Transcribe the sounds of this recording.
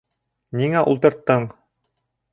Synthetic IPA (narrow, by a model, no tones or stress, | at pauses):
niŋæʔṵlˠt̪ɤ̆ɾt̪ːɤɴ